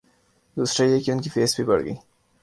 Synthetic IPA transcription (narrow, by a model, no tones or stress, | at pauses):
d̪uːsɾajekeʊnkifeːsbʱibɐ̰ɽɡə̰iː